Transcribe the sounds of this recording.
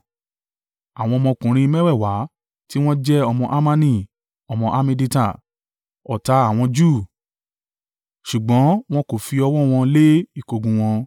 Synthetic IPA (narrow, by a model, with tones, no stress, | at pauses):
a˨w̃ɔ̃˧mɔ̃˧kũ˨ɾ̃ĩ˧mɛ̃˦wɛ˦˨wa˨˦ | ti˦w̃ɔ̃˦d͡ʒɛ˦ɔ˧mɔ̃˧ʔa˦mã˦nĩ˦˨ | ɔ˧mɔ̃˧ʔa˦mĩ˧di˧ta˦˨ | ɔ˨ta˧a˨w̃ɔ̃˧d͡ʒu˦˨ | ʃu˨ɡ͡bɔ̃˨˦w̃ɔ̃˦ko˨fi˧ɔ˧wɔ˦w̃ɔ̃˧le˦i˦˨ko˨ɡũ˨w̃ɔ̃˧